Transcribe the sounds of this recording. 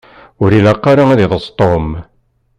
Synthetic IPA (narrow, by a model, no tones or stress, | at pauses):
ʊɾilaqːaɾaæðiðˤəst̪ˤːom